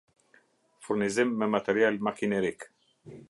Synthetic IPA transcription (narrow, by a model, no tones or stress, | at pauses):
fuɾnizɪmːɛmat̪ɛɾjalmakinɛɾik